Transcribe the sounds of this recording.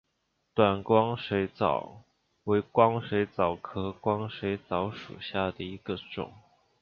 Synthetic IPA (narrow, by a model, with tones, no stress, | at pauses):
t̪wa˨˩nkwɑ˥ŋʂwe˧˥ɪt͡sɑ̰˨˩ʊ | we˧˥ɪkwɑ˥ŋʂe˧˥ɪt͡sɑ˨˩ʊkʰɤ˥kwɑ˥ŋʂe˧˥ɪt͡sɑ˧˥ʊʂṵ˨˩ɕja˥˩d̪ə˩i˧˥ɡ̥ə˧ʈ͡ʂʊ̰˨˩˦ŋ